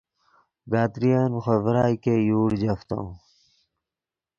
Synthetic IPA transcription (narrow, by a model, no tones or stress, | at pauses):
ɡaːt̪ɾijaːnmuxɐvɾaːjkejuːɽd͡ʑɐft̪õ̰ː